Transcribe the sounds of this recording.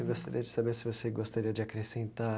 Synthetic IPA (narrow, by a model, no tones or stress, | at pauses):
ɡost̪aɾiɐd͡ʒɪsabeɾsɪvoseɡost̪aɾiɐd͡ʒɪakɾesẽnt̪a